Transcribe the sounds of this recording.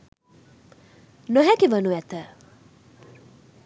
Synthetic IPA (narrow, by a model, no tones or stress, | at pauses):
nəɦɛkiʋənuɛt̪ə